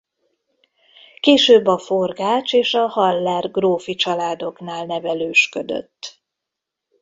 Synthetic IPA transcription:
keːʃøːbːɒfo̞rɡaːt͡ʃeːʃɒhɒlːaːrɡroːfit͡ʃɒlaːd̪o̞knaːlnɛvɛløːʃkød̪ø̰t̪ː

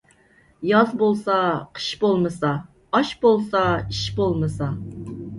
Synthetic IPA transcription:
jɑzbolˠsɑqʰə̥ʃbolˠmɨsɑ | ɑʃbolˠsɑiʃbolˠmɨsɑ

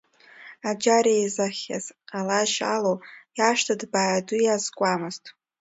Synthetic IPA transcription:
ad͡ʒaɾejzaχʲa̰zqʼalaʃa̰lowjaʂtʰadbaːadʊjazkʷʼamɨztʰʼ

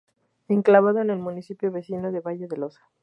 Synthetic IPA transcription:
eŋklaβað̞o̞ene̞lmunisipjo̞βe̞sinoðe̞βaʝe̞ðe̞lo̞sḁ

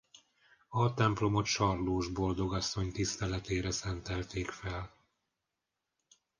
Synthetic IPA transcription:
ɒt̪ɛmplo̞mo̞t̪ʃɒrloːʒbo̞ld̪o̞ɡɒsːo̞ɲt̪ist̪ɛlɛt̪eːɾɛsɛnt̪ɛlt̪eːkfɛl

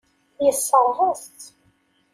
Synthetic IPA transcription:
jəsːəɾˤhæst̪

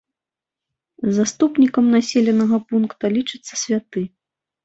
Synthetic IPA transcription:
zast̪upnʲikɐmnasʲelʲɛnɐɣɐpunkt̪ɐlʲit͡ʂɨt̪sːɐ̥sʲvʲat̪ɨ

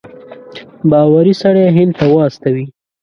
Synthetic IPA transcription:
bɑwaɾisaɽajɦɪnd̪̚t̪awaast̪awi

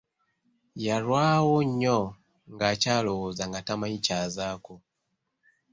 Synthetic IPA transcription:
jaɾwaːwoɲːo | ŋɡacaːlowozaŋɡatamaɲicaːzako

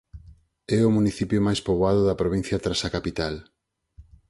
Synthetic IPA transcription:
ɛʊmuniθipjʊmajspoβoaðʊðɐpɾoβĩn̟θjɐt̪ɾasakapit̪al

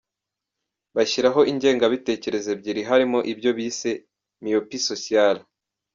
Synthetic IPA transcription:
βaçiɾaɦo̞ʔiɲɟe̞ːŋɡaβite̞ːce̞ɾe̞ze̞bɟiɾiɦaɾimo̞ʔibɟo̞βiːse̞ | miopisosial

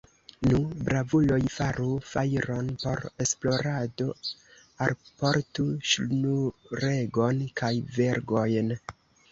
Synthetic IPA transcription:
nubɾavulo̞jfaɾufajɾo̞npo̞̰ɾe̞splo̞ɾado̞ | alpo̞ɾtuʃnuɾe̞ɡo̞nkʰajve̞ɾɡo̞jn

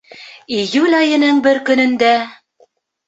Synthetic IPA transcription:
ijʉlʲɑjɤ̆nɤɴbɘɾkɵ̆nɵ̆nd̪æ

